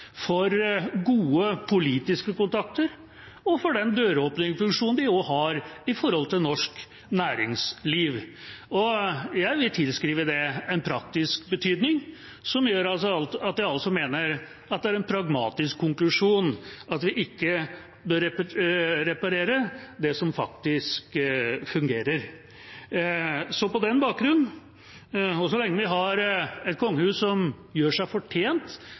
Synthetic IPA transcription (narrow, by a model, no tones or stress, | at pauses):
fɔɾɡuːəpʰʊliːt̪ɪskəkʊnt̪ʰɑk̚t̪əɾ | ɔfɔɖɛnd̪øːɾəoːpnɪŋfʉŋʂuːnn̩d̪ɪoːhɑɾɪfɔɾhɔlt̪ʰɪlnɔʂk | næːɾɪŋsliːʋɔjæɪʋɪlt̪ʰɪlskɾiːʋəd̪ɛɛnpʰɾɑkt̪ɪskbət̪ʰyːd̪nɪŋ | sɔmjøːɾɑlsɔɑlt̪ɑt̪̚jæɪɑlsɔmeːnəɾ | ɑt̪d̪ɛæɾɛnpʰɾɑɡmɑ̰ːt̪ɪskʰːʊŋklʉʂuːnɑt̪ʋɪʔɪkːə | bøːɾɛ | ɾɛpɑɾeːɾəd̪ɛsɔmfɑ̰kt̪ɪskfʉŋɡeːɾəɾ | sɔpɔd̪ɛnːbɑːk̚ɡɾʉnːn̩ | ɔsɔlɛŋːəʋɪɦɑɾɛt̪̚kʰɔŋːəhʉːssɔm | jøːʂæɪfɔʈʰeːnt̪